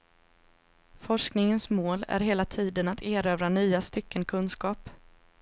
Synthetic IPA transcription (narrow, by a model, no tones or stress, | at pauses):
fɔʂknɪŋənsmoːlæ̰ɾɦeːlat̪ʰiːd̪ənat̪ʰeːɾøːvɾanyːast̪ʏkːənkʰɵnskɑːp